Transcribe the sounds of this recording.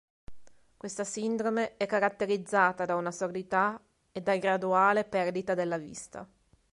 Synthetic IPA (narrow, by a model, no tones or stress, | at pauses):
kwest̪asind̪ɾomeɛkːaɾat̪ːeɾid̪zːaːt̪ad̪aunasord̪it̪a | ed̪ːaɡɾad̪uaːlepɛrd̪it̪ad̪elːavḭst̪a̰